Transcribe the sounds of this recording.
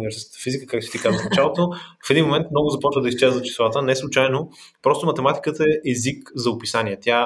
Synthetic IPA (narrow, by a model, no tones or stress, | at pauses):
nivɛɾsɛsk̪ə̥t̪ə̥fizikəkak̪̚ʊʃit̪ikazəfnɐt͡ʃalˠot̪ofɛd̪inmomɛnt̪mnɔɡʊzɐpɔt͡ʃvəd̪ɐist͡ʃɛzət̪t͡ʃi̥slˠat̪ənɛslˠʊt͡ʃajno | pɾɔst̪omɐt̪ɛmat̪i̥kət̪əɛʔɛzikzɐopisaniɛt̪ʲa